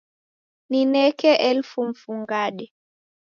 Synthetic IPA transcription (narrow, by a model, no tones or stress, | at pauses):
ninɛkɛʔɛlfum̩fuŋɡaɗɛ